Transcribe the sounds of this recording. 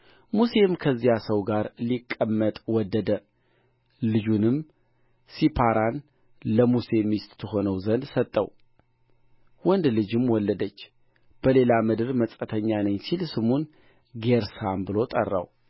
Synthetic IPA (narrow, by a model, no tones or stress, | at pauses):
muse̞mkʰəzːijasəwɡaɾlikʼːəmːət̪ʼwɔd̪ːəd̪ə | lɨd͡ʒunɨm | sipʰaɾan | ləmuse̞mist̪ʼt̪ʰəɦo̞nəwzənd̪sət̪ʼːə̰w | wɔnd̪lɨd͡ʒɨmwɔlːəd̪ət͡ʃː | b̥əle̞lamɨd̪ɨɾməsʼət̪ʰəɲːanəɲsilsɨmun | ɡe̞ɾsambɨlo̞t̪ʼə̰rːa̰w